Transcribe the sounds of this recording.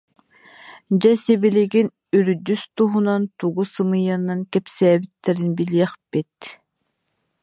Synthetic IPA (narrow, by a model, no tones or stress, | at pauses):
d͡ʑɛsibiliɡin | yɾyd̪yst̪uɦunant̪uɡusɯmɯjanankɛpsɛːbit̪ːɛɾinbiliɛχb̥it̪